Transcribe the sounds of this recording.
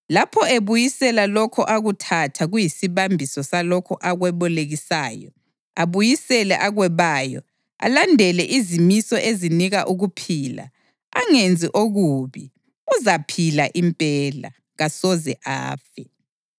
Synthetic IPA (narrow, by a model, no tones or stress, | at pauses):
lapʰɔeβujisɛlalɔkʰɔʔaɣutʰatʰaɣujisiβambʱisɔsalɔkʰɔʔaɣwɛβɔleɣisaːjɔ̰ | aβujisɛlɛʔaɣwɛβaːjɔ̰ | a̰landʱɛlɛʔizimisɔʔeziniɣaʔuɣupʰiːla̰ | a̰ŋend͡zʱiʔoɣuːβi | uzapʰilaʔimpʼɛla̰ | ɣasɔzɛʔa̰ːfɛ